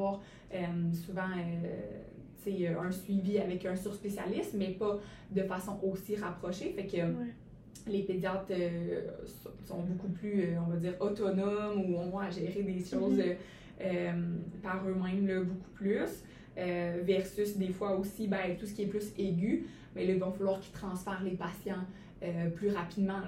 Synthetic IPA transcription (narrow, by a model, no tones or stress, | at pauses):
waːʁ | ømsuvɑ̃ø | t͡seøʔɛ̃sɥiviavɛkœ̃syʁspesja̰lɪsmɛpa | d̪əfasɔ̃ʔosiʁapχɔʃefɛkə | leped͡zjɑt̪øsɔ̃sɔ̰̃bokuplyøɔ̃vad̪iːʁɔt̪ɔnɔmuɔ̃vɔ̃aʒeːʁed̪eʃɔːzø | ømpaʁømɛ̃mləboku̥plys | øvɛʁsysd̪efwaosibɛ̃t̪usə̥kʲiɛplyseɡʲy | mɛləvɔ̃falwaːʁkʲi̥t̪χɑ̃sfɛʁlepasjɑ̃ | øplyʁapid̪mɑ̃